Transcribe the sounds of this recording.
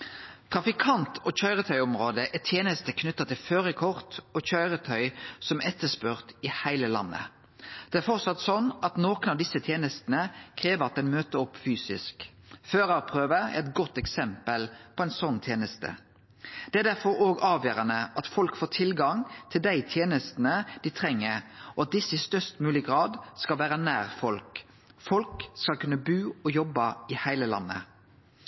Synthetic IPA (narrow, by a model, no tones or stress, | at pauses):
t̪ʰʁɑfɪkʰɑnt̪ʰɔçœʏʁət̪ʰœʏɔmʁoːd̪əʔɛt̪ʰjeːnəst̪əkʰnʉt̪ːɑt̪ʰɪlføːʁəkʰɔʁt̪ɔçœʏʁət̪ʰœʏsɔmʔɛt̪ːəspʉʁt̪ɪhæɪləlɑ̰nːə̰ | d̪̥ɛæɾfɔʁt̪sɑt̪ːsɔnːʔɑt̪noːkənɑʋd̪ɪsːət̪ʰjeːnəst̪nəkʰʁeːʋəʁɑt̪̚d̪ɛnmøːt̪əɔpːfyːsɪ̰sk | føːʁɑpʰʁøːʋəɛ̰ɾɛt̪ɡɔt̪ːɛksɛmpəlpʰɔɛɪnsɔnːt̪ʰjeːnəst̪ə̰ | d̪̥ɛæɾd̪æɾfɔɾoːɡɑːʋjøːɾɑnəʔɑt̪fɔlkfoːt̪ʰɪlɡɑŋt̪ʰɪld̪æɪt̪ʰjeːnəst̪nəd̪̥ɪt̪ʰʁɛŋːəɔɑt̪̚d̪ɪsːɪst̪œst̪mʉːlɪɡʁɑːd̪skɑlʋæːɾənæːʁfɔlk | fɔlkskɑlkʉnːəbʉːɔjɔbːɑɪhæɪləlɑ̰nːə̰